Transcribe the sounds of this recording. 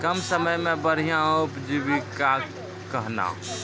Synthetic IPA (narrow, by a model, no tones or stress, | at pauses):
kəmsəməjmẽbəɽ̤ijãupd͡ʒiʋika | kəɦna̰ɦ